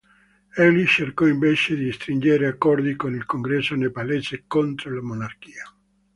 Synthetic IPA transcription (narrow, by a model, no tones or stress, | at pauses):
ɛlit͡ʃerkɔiɱvet͡ʃed̪iist̪ɾind͡ʒeɾeakːɔrd̪ikonilkoŋɡɾɛsːonepalesekont̪ɾolamonark̟iːa